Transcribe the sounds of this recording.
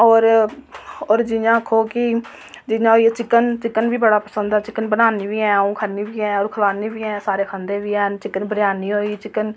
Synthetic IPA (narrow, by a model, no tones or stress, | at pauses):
ɔːɾ | oːɾd͡ʒɪjãːkʰoːkɪ | d͡ʒɪɲãːɦoːiːɛːt͡ʃɪkːənt͡ʃɪkːənʋiːbəɽaːpəsə̃nd̪ɛːt͡ʃɪkːənbənaːniːʋiːɛ̃ːũːkʰəniːʋiːɛ̃ːoːɾkʰəlaːniːʋiːɛ̃ːsaːɾeːkʰənd̪eːʋiːɛːt͡ʃɪkːənbəɾɪjaːniːɦoːiːt͡ʃɪkːən